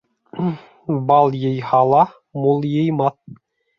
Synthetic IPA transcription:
bɑlˠjɤ̆jhɑlˠɑ | mulˠjɤ̆jmɑt̚

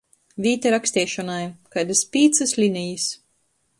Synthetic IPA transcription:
vʲiːt̪ɛɾaksʲt̪iːʃɔnajkajd̪ɨspʲiːt̪sɨslʲinʲijis

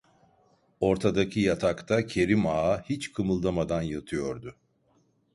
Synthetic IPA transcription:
o̞ɾt̪ʰad̪acʰijat̪ʰakt̪ʰacʰe̞ɾimaːhit͡ʃkʰɯmɯlˠd̪amad̪anjɯt̪ʰɯjo̞ɾd̪ʊ

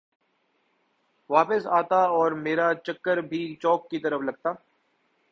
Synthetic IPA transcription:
ʋaːpəsaːt̪aɔːɾmeːɾat͡ʃɐkːəɾbʱit͡ʃɔːkːit̪ɐɾəflɐɡ̚t̪aː

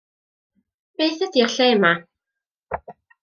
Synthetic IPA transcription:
b̥eːθədiərɬeːma

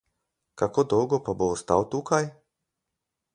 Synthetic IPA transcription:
kakod̪ɔwɡɔpaboːst̪a̰wt̪ukaj

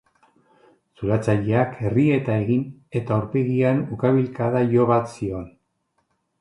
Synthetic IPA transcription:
suɾat͡saʎeakʰe̞rie̞t̪ae̞ɣine̞t̪auɾpeɣianukaβ̞ilkaðajo̞βat̪sio̞n

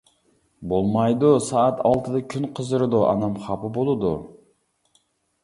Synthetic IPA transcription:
bolˠmɑjd̪usɑːt̪ʰɑlˠt̪ʰɨd̪ɑkʲʰynqʰəzɨɾɨd̪oʔɑ̰nɑmχɑpɨbolˠud̪u

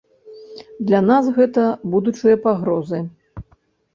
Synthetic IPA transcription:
d̪lʲanasɣɛt̪ɐbud̪ut͡ʂɨjɐpaɣɾɔzɨ

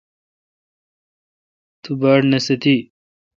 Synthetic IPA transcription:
t̪ubaːɽnɐsɐt̪i

